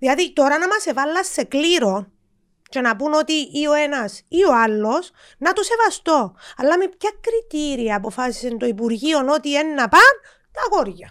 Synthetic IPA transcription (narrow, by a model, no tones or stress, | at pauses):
ðilɐðit̪o̞ɾɐnɐmɐse̞vɐlːɐsːe̞kliɾo̞ | t͡ʃe̞nɐpuno̞t̪iʔio̞e̞nɐsio̞alːo̞s | nɐt̪use̞vɐst̪o̞ɐlːɐmepçɐkɾit̪iɾiɐːpo̞fɐsi̥sent̪oipuɾʝio̞no̞t̪ie̞nːɐpɐn | t̪ɐɣoɾʝɐ